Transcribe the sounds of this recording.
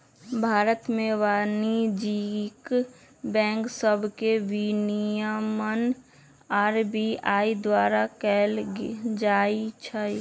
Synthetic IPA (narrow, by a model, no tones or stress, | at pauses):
bʱaːɾət̪mẽʋaːnid͡ʒik | bɛ̃ːŋksəbʱkeʋinijamən | aːɾbiaːid̪waːɾakɛld͡ʒaːit͡ʃʰə